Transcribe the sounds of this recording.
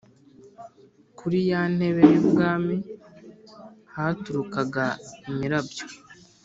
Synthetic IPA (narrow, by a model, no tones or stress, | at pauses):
kʰuɾijan̥he̞βejebɡaːmi | hatuɾukaɡaimiɾabjo